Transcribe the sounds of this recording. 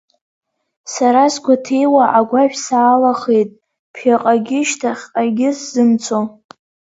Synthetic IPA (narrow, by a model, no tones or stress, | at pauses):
saɾasɡʷatʰejwaʔaɡʷaʃᶣsaːlaχe̞jtʼ | pʰjaqʼaɡʲɪʃtʰaχʲqʼaɡʲɪszɨmt͡sʰo